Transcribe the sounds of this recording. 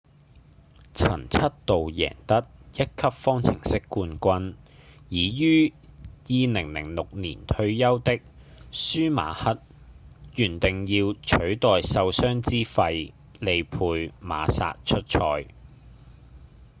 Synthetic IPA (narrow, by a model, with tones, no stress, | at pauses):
t͡sʰɐ̰˨˩nt͡sʰɐ˥t̚t̪o˨wjɛ̰ː˨˩ŋt̪ɐ˥t̚jɐ˥t̚kʰɐ˥p̚fɔː˥ŋt͡sʰɪ̰˨˩ŋsɪ˥kːuː˧nkʷɐ˧njiː˨˧jyː˥jiː˨˧lɪ˨˩ŋlɪ̰˨˩ŋlʊ˨k̚nḭː˨˩nt̪ʰɵ˧ɥjɐ˥wt̪ɪ˥k̚ | syː˥ma̰ː˨˥hɐ˥t̚ | jyː˨˩nt̪ɪ˨ŋjiː˧wt͡ʃʰɵ˨˥ɥt̪ɔː˨jsɐ˧wsœː˥ŋt͡siː˥fɐ˧j | le˨˧jpʰuː˧jma̰ː˨˧sa̰ː˧t̚t͡ʃʰɵ˥t̚t͡ʃʰɔː˧j